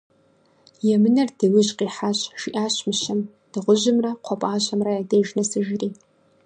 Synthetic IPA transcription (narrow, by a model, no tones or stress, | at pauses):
jamɨnɐrdɨɥɪʒqʼiħaɕʒiʔaɕmɨʃam | d̥ɨʁʷʊʒʷɪmraqʷʰapʼaːʃʷamrajadejʒnɨsɨʒɪriː